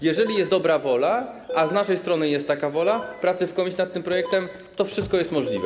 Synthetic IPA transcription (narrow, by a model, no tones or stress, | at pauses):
jɛʐɛlʲijɛsd̪ɔbɾavɔla | aznaʂɛjst̪ɾɔnɘjɛst̪ːakavɔlapɾat̪sɘfkɔmʲiɕnat̪t̪ːɘmpɾɔjɛk̚t̪ɛm | t̪ɔfʂɘst̪̚kɔjɛst̪mɔʐlʲivɛ